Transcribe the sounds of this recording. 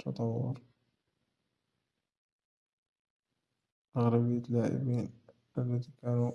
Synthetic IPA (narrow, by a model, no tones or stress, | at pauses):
t̪ːɑ̰t̪ˤɑwːʊ̰ɾ | ʔaɣɾabəjːalaʕɪ̰bin | ʔəlːæt̪ikæːnu